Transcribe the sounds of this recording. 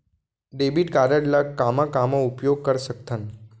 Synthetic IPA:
ɖebiʈkaɾəɖlakamakamoupjoɡ̚kəɾsək̚t̪ʰən

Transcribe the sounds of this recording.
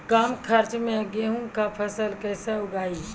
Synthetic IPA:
kaːmkʰəɾt͡ʃmẽɡeɦũŋkapʰəsəlkəɪseʊɡaːi

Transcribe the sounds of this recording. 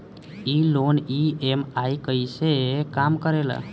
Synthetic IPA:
iloniemajkəjsekamkəɾelə̰

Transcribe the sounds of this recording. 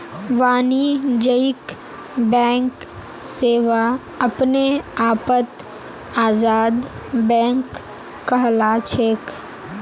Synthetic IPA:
ʋaːnid͡ʒəɪk | bɛ̃ːŋk | seːʋa | ɐpneaːpət̪ | aːzaːd̪ | bɛ̃ːŋkː | ɐɦlat͡ʃʰeːk

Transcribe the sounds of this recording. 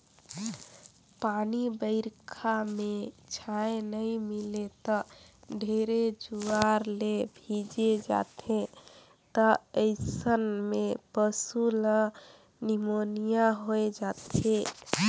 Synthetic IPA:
panibəɪɾkʰamet͡ʃʰaenəjmilet̪ɔɖʱeɾed͡ʒuaɾlebʱid͡ʒed͡ʒa̰t̪ʰẽ | t̪ɔəɪsənmepəsulə | nimonijaɦoed͡ʒat̪e

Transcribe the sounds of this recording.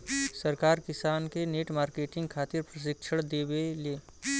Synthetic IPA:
səɾkaːɾkɪsaːnkeneːʈmaːɾkeːʈɪ̃ŋɡkʰaːt̪ɪɾpɾəʃ̬ɪkʃʰəɽd̪eːbeleː

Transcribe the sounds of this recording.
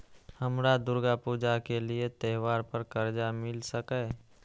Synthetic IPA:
həmɾad̪ʊɾɡapuːd͡ʒakeliet̪ɛːɦwaːɾpəɾkəɾd͡ʒamɪlsəkɛː

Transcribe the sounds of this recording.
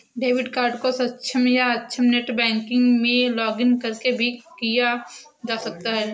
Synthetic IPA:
ɖeːʋɪɖkaːɾɖkosɐtːt͡ʃʰəmjaɐtːʃʰəmneʈbɛ̃ːŋkɪ̃ŋɡmẽlɔːɡɪ̃ŋkɐɾkebʱikija | d͡ʒaːsɐk̚t̪aɦɛː

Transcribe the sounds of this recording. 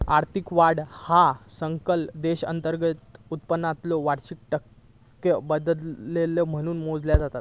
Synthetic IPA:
aɾt̪ʰikʋaɽhasəŋkəld̪eɕə̰nt̪əɾɡət̪ut̪̚pənːat̪lɔʋaɽɕik̚ʈəkː | əbəd̪əleləm̤əɽ̃uːnmod͡zljad͡zat̪at̪

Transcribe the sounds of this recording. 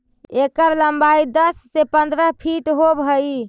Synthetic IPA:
ekəɾləmbaid̪əsːepə̃nd̪ɾəɦpʰiʈɦobʱəi

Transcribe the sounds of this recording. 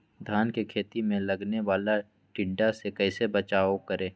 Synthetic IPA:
d̪ʱjaːnkekʰeːt̪imẽlɐɡneʋaːla | ʈɪɖːasekɛːɪsebət͡ʃaːokəɾẽː

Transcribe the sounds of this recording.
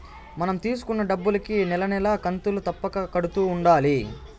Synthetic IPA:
mɐnɐmt̪iːs̬u̥kunːɐɖɐbːulɐkinɛlɐnɛlɐkɐnt̪ulut̪ɐpːɐkɐkɐɽut̪uːuɳɖaːli

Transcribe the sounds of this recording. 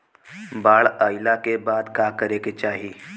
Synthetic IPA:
baːɭaːɪlakebaːd̪kaːkəɾeːket͡ʃaːɦiː

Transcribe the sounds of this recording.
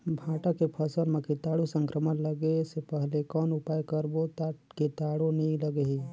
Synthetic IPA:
bʱãːʈakepʰəsənmẽkit̪aːɽusə̃ŋkɾəmənləɡesepəɦlekɔːnʊpaːjkəɾbot̪kit̪aːɽoniləɡeɦi

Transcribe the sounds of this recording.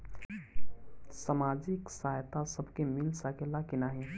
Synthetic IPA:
səmaːd͡ʒɪksaːjt̪asəbʱkemɪlsakelakɪnaːɦĩ

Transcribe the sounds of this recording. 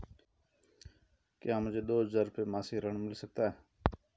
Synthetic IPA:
kjaːmʊd͡ʒʱeːd̪oːzəɾpeːmaːsiːɾəɳmɪlsək̚t̪aːɦɛː

